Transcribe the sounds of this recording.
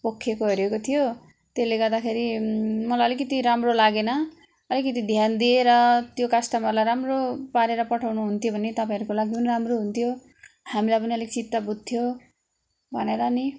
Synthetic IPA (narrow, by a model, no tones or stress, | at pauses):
pʌkʰːekoɦʌɾiekot̪ʰijo | t̪eleɡʌd̪akʰeɾimʌlajʌlikʌt̪iɾamrolaɡenʌ | ʌlikʌt̪id̪ʱjand̪ieɾʌt̪jokast̪amalajɾamropaɾeɾʌpʌʈʰawnuɦunt̪ʰijobʱʌnet̪ʌpaj̃ʌɾukolaɡiʌniramroɦunt̪ʰjo | hamilajpʌniʌlikt͡sit̪ːʌbud̪̚ʱt̪ʰjo | bʱʌneɾʌni